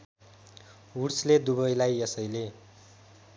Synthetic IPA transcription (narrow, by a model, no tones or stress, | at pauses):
uɽsled̪uβʌjlajʌsʌjle